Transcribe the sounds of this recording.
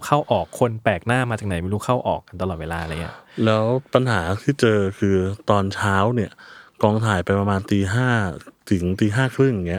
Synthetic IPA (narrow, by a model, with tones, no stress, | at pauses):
kʰa˥˩wʔɔː˨˩kʰːo˧npɛː˨˩k̚naː˥˩maː˧t͡ɕaː˨˩kna˩˦jma˥˩˧ɾuː˦˥kʰa˥˩wʔɔː˨˩k̚ːa˧nt̪a˧lɔː˨˩weː˧laː˧la˧jnḭ˦˥lɛː˦˥wpa˧nɦaː˩˦t̪ʰiː˥˩t͡ɕɤː˧kʰɯː˧t̪ɔː˧nt͡ɕʰaː˦˥wni˥˩ɐkɔː˧ŋt̪ʰaː˨˩jpa˧jpɾa˧maː˧nt̪iː˧ɦaː˥˩t̪ʰɯ˩˦ŋt̪iː˧ɦaː˥˩kʰɾɯ˥˩ŋ˨˩ŋːi˦˥ɐʔ